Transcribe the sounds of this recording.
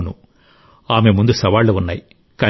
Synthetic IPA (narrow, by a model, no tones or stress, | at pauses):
nṵ | aːmeːmund̪ɯsɐʋaːɭːɐʋɐnːɐɪ | kɐ